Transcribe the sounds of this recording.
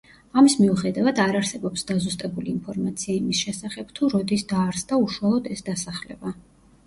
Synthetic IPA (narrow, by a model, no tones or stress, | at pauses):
amismiuχɛd̪avad̪aɾaɾsɛbɔpsd̪azust̪ʼɛbuliːnpʰɔɾmat̪sʰiaimisʃɛsaχɛb̥t̪ʰuɾɔd̪isd̪aːɾsd̪auʃwalˠɔd̪ɛsd̪asaχlɛ̰ba